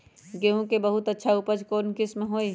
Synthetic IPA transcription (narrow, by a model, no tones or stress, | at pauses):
ɡeõkebəɦʊt̪ətːʃʰaʊpəd͡ʒkoːnkɪsmɦoːi